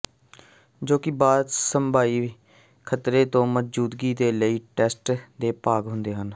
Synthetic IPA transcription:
d͡ʒoːkɪbaːd̪səmbʱaːiː | kʰət̪ɾeːt̪õːməd͡ʒd͡ʒuːd̪ɡiːd̪eːləiːʈɛːsʈd̪eːpaːɡɦʊnd̪eːɦən

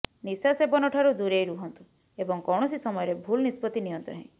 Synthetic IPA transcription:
nisasebɔnɔʈʰaɾud̪uɾejɾuɦɔnt̪u̥ | ebɔŋkɔwɳɔsisɔmɔjɔɾebʱulnispɔt̪iniɔnt̪ɔ̰ɦẽj̃

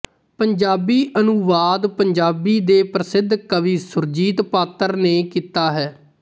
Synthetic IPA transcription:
pəɲd͡ʒaːbiːʔənʊʋaːd̪pəɲd͡ʒaːbiːd̪eːpɾəsɪd̪ʱkəʋĩːsʊɾd͡ʒiːt̪paːt̪əɾneːkiːt̪aːɦɛː

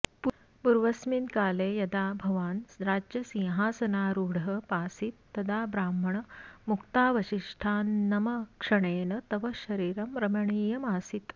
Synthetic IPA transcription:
pu | puɾʋɐsminkaːleːjɐd̪aːbʱɐʋaːnɾaːd͡ʒjɐsĩɦaːsɐnaːɾuːɽɦɐpaːsit̪ːɐd̪aːbɾaːmɐɳɐmukt̪aːʋɐɕiʂʈʰaːnːɐmɐkʂɐɳeːnɐt̪ɐʋɐɕɐɾiːɾɐmɾɐmɐɳiːjɐmaːsit̪

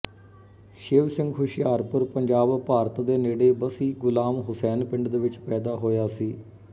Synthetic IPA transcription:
ʃɪːʋsɪŋɡɦʊʃɪjaːɾpʊɾpəɲd͡ʒaːbpaːɾət̪d̪eːneːɽeːbəsiːɡʊlaːmɦʊsɛːnpɪ̃ɳɖd̪eːʋɪt͡ʃpɛːd̪aːɦoːjaːsiː

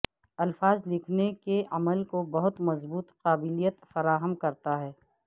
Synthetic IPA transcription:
ɐlfaːzlɪkʰnekeʔɐməlkobɐɦʊt̪mɐzbuːt̪qaːbɪlijət̪fɐɾaːɦəmkɐɾt̪aɦɛː

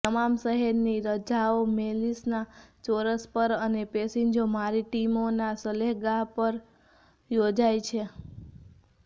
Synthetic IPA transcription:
t̪əmamsəɦeɾniɾəd͡ʒaomelisnat͡ʃoɾəspəɾənepesiɲd͡ʒomaɾiʈimonasəleɦɡaɦpəɾ | jod͡ʒajt͡ʃʰe

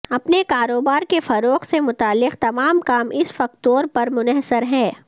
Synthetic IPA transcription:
ɐpnekaːɾoːbaːɾkefɐɾoːqsemʊt̪aːlːɪqt̪ɐmaːmkaːmɪsfɐk̚t̪oːɾpɐɾmʊnəɦsəɾɦɛ̃ː

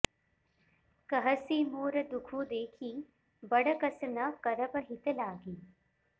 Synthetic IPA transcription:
kɐɦəsiːmoːɾəd̪ukʰũːd̪eːkʰiː | bɐɽəkɐsnɐkɐɾəpəɦɪt̪əlaːɡiː

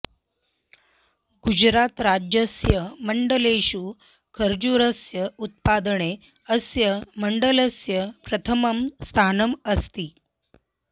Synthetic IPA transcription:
ɡud͡ʑɾat̪ɾad͡ʑjəsjəməɳɖəleɕuː | kʰəɾd͡ʑuɾəsjəut̪̚pad̪ɳe | əsjəməɳɖələsjəpɾət̪ʰəməmst̪ʰanəməst̪iː

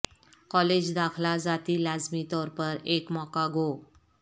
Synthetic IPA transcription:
kɔled͡ʑd̪akʰlad͡zat̪iːlad͡zmit̪ɔɾpəɾekmɔkaɡʱo

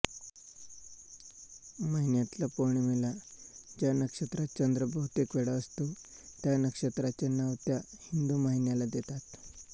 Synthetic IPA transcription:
maɦinjat̪lapoɳ̃imilad͡ʑjanəkʂət̪ɾat̪̚t͡ɕənd̪ɾəbəɦut̪ikʋeɽaəst̪o | t̪janəkʂət̪ɾat͡ɕenaʋt̪jahind̪umaɦinjalad̪et̪at̪

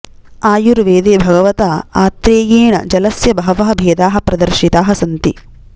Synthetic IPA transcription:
aːjuɾʋeːd̪eːbʱɐɡɐʋɐt̪aːaːt̪ɾeːjeːɳɐ̰d͡ʒɐlɐsjɐbɐɦɐʋɐɦɐ̆bʱeːd̪aːɦɐ̆pɾɐd̪ɐɾʃit̪aːɦɐsɐnt̪ḭ

